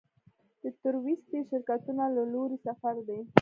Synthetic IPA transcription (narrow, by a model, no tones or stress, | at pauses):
d̪̥ət̪ʊɾwist̪iʃɪɾkat̪unalaloɾisafaɾd̪e